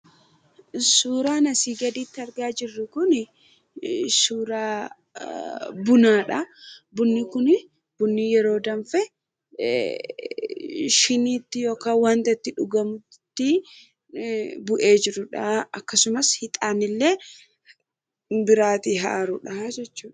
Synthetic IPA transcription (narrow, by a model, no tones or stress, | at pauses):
suːɾaːnɐsiːɡɐd̪iːt̪ːɪɐɾɡaːd͡ʒɪrːɪkʊnɪ | suːɾaː | bʊnaːᶑɐbʊnːɪkʊn | b̥ʊnːijɛɾo̞ːd̪ɐɱfɛ | ʃɪniːt̪ːɪjoːkaːwaːnt̪ɐt̪ːɪᶑʊɡɐmʊ | t̪ːɪ | bʊʔe̞ːd͡ʒɪɾʊᶑɐɐkːɐsʊmɐshɪt̪ʼaːnɪlːe̞ː | bɪɾaːt̪iɦa̰ːɾʊᶑɐd͡ʒɛt͡ʃːuːᶑɐ̥